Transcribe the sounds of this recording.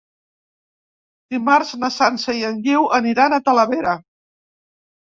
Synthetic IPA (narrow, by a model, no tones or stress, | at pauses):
d̪̥imaɾznəsanseiəŋʎiwʔəniɾanət̪ələβeɾə